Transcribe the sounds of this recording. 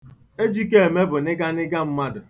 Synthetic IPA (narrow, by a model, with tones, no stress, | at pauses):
e˦d͡ʒi˦k̬e˦e˨me˦bʊ˨nɪ˦ɡa˦nɪ˦ɡa˦m̩˦ma˦dʊ˨